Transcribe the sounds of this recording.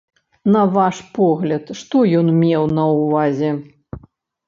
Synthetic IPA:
nɐvaʂpɔɣlʲɐt̪ʂt̪ɔjɔnmʲɛwnɐwvazʲɛ

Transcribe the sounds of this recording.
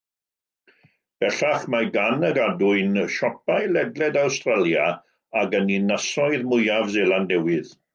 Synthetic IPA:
b̥ɛɬaχmaɡanəɡadʊɨnəʃɔpajlɛdlɛdawstralˠja | aɡəninasɔɨðmʊjavzelˠandɛwɨð

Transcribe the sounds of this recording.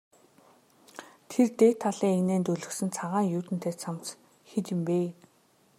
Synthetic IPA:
t̪ʰert̪eːt̪ʰːaɮiːŋeɣneːnt̪ɵɮɵ̆ksɘ̆nt͡sʰaʁaːŋjʊːt̪ɘ̆n̥t̪ʰeːt͡sʰamt͡s | xet͡ɕ̪ɪ̆mpeː

